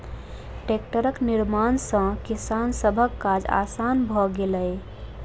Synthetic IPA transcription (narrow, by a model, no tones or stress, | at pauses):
ʈek̚ʈəɾəkniɾmansə̃kisansəbʱəkːad͡ʒa̰sanbʱɔɡeləe